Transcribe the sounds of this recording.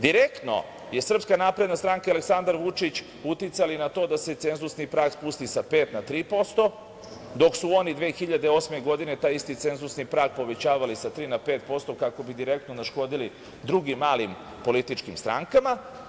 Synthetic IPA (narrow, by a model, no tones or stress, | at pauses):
d̪iɾekt̪no̞̰ | je̞sr̩pskanapɾe̞d̪nast̪ɾaŋkaaleksand̪aɾʋut͡ʂit͡ɕ | ut̪it̪salinat̪o̞ːd̪ase̞t̪se̞nzusnipɾaːkspust̪isape̞ːt̪nat̪ɾiːpo̞st̪o̞ | d̪o̞ksuo̞nid̪ʋe̞ːxiʎad̪eo̞smeɡo̞d̪ine̞t̪aːjist̪it̪se̞nzusnipɾaːk̚po̞ʋe̞t͡ɕaːʋalisat̪ɾiːnape̞ːt̪̚po̞st̪o̞kako̞bid̪iɾe̞k̚t̪nonaʃko̞d̪ili | d̪ɾuɡimːaːlim | po̞lit̪it͡ʃkimst̪ɾa̰ŋkama